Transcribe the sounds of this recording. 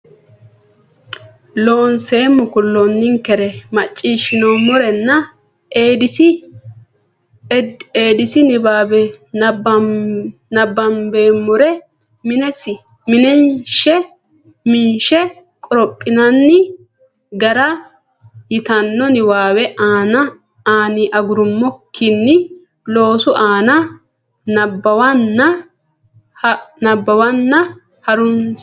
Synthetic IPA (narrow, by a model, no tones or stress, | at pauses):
loːnseːmʊkʊlːɔnːɪŋkɛɾɛmɐt͡ʃʼːiːʃɪnɔmʊɾɛnːɐ | eːd̪ɪsɪ | eːd̪ɪsɪnɪbaːbɛɐb | nɐbːɐmbeːmːʊɾɛ | mɪnɛsɪ | mɪnɛnʃɛ | mɪnʃɛ | kʼɔɾɔpʼːɪnɐnːɪ | ɡɐɾɐ | jɪt̪ɐnːɔnɪwaːwɛʔaːnɐ | aːnɪʔɐɡʊɾʊmːɔkʰːɪnːɪ | lo̞ːsʊʔaːnɐ | nɐbːɐwɐnːɐ | nɐbːɐwɐnːɐ | hɐɾʊns